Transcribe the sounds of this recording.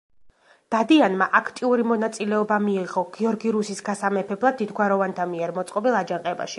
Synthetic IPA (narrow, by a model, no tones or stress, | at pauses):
d̪̥ad̪ianmaʔakʰt̪ʼiuɾimɔnat̪sʼilɛɔbamiːʁɔɡ̥iɔɾɡiɾusisɡasamɛpʰɛblˠad̪̚ːid̪ɡwaɾɔvant̪ʰamiɛɾmɔt̪sʼqʼɔbilˠad͡ʒaŋqʼɛba̰ʃi̥